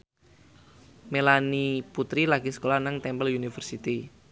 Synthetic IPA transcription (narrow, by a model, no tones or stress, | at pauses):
melaniput̪ɾilaɡ̥isə̥kolanaŋt̪ɛmbəlunifərsit̪i